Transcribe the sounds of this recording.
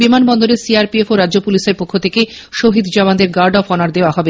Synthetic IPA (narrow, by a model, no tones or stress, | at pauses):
bimanbɔnd̪oɾesiaɾpiefoɾadʑopuliʃeɾpokʰːot̪ʰeke | ʃoɦid̪d͡ʑaband̪eɾɡaɾɖɔfɔnaɾd̪eoaɦɔbe